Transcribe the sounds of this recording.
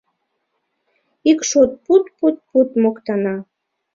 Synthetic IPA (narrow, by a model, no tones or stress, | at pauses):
ikʃot̪̚put̪put̪̚put̪mokt̪ɑnɑ